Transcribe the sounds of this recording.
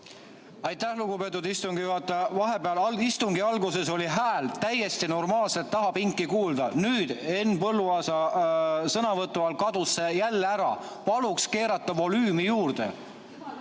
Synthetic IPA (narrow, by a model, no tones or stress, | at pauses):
ɑjt̪ːæhluɡ̥upe̞t̪ːud̪ist̪uŋɡijuhɑt̪ˑːevɑɦe̞beɑlɑist̪uŋɡ̥iɑlɡuse̞so̞lʲiɦæːlt̪æje̞st̪ino̞rmɑːlset̪ːɑɦɑpiŋkːikuːld̪̥ɑnyːd̪̥e̞nːpɤlːuɑːsɑ | sɤnɑvɤt̪ːˑuɑlkɑd̪̥usːe̞jælːeæɾɑ̰ | pɑlukske̞ːɾɑt̪ːˑɑvo̞lyːmijuːrd̪̥e̞̰